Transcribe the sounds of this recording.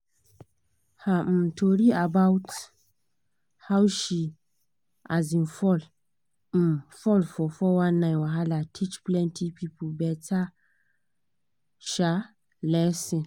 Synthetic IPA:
hatʰoɾiabawt | hawʃi | azɪ̃nfɔl̩ | fɔlfɔfɔwãnːãwaɦalatʰit͡ʃplɛ̃ntʰipʰipʰobɛtʰa | ʃa | lɛsɪ̃

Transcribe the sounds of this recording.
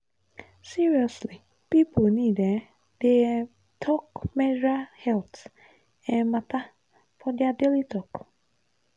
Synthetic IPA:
siɹiɔsli | pipʊnide | d̥e | tʰɔkmɛd͡ʒahɛlt | ɛmata | fɔdjadelitɔk

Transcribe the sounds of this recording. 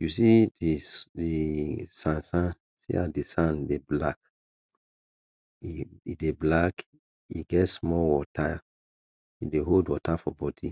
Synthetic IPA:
jusiidisãnsãn | sḭadisãndeblak | iideblak | iɡɛtsmɔwɔtʰa | ideɦodwɔtafɔbɔdi

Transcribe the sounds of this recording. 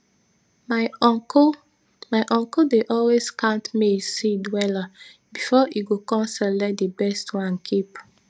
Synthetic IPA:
mak | maɪʔɔ̃ŋkodeʔɔlweskãntmisidwɛla | bifɔʔiɡokɔ̃nsɛlɛdibɛstʰwãnkʰip

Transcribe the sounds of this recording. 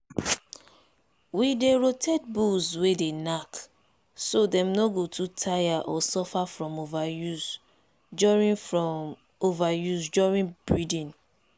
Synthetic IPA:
wideɹotʰɛd̚buswedenak | sodɛ̃mnoɡotutʰajaʔɔsɔfafɹɔ̃movajus | d͡ʒɔɹĩɔ | ovajusd͡ʒɔɹĩnb̥ɹidĩn

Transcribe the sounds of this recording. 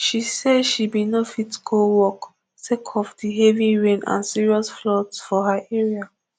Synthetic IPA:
ʃisɛdʃibinofitɡʰowɔk | sekʰɔfdiɦeviɹẽnã̰nsiɹiɔsflɔtsfɔɦaʔɛɹia

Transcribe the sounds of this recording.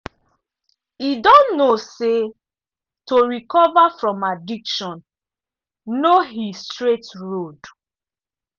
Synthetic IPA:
idɔ̃nːose | toɹikɔvafɹɔ̃madikʃɔ̃n | noɦistɹetɹod

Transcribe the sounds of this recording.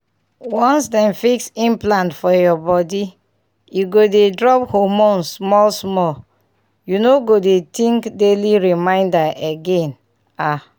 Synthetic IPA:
wɔ̃nsdɛ̃nfiksĩmplãntfɔjɔbɔdi | juɡodedɹɔphomõnsmɔlsmɔl | junoɡodetĩŋkdeliɹimãɪ̃ndaeɡɛ̃n | a

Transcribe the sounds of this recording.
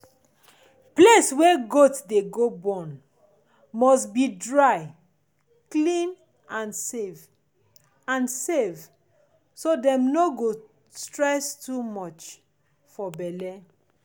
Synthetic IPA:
pleswɛɡotdeɡobɔ̃n | mɔstbidɹaɪ | klĩn | ʔãnsev | ãnsev | sodɛ̃mnoɡo | stɹɛstumɔt͡ʃ | fɔbɛlɛ

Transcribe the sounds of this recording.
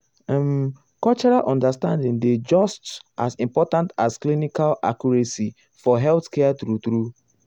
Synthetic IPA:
m | kɔlt͡ʃɔɹalʔɔ̃ndəstãndĩŋded͡ʒɔstʔasĩmpɔtãntasklinikala̰kjuɹɛsi | fɔɦɛlθkɛtɾutɾu

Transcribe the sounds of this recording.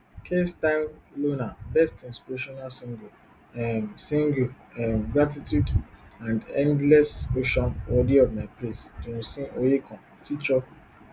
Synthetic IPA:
kʰestaɪmlonabɛstĩnspiɾeʃɔnalsĩŋɡo | msĩŋɡu | ɛmɡɾatitjudãndɛ̃ndlɛsoʃɔ̃nɔdiɔvmapɾĩsdẽnsĩʔojekɔ̃n | fit͡ʃɔ

